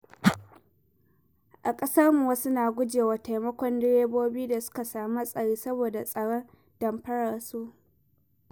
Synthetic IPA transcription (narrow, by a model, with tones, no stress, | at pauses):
ʔa˨kʼɐ˦sɐ˦rmu˨wɐ˦su˦naː˨ɡʷʊ˦d͡ʒeː˨wa˨ta˨jmɐ˦kʷɔ˦ndɪ˦ɽeː˦boː˦biː˦da˨sʊ̥˦ka˨saː˨ma˦sʼɐ˨ɽiː˦sɐ˦boː˨da˨sʼɐ˨ɽɔ˦n | d̥ɐ˨mɸɐ˦ɽa˨rsuː˦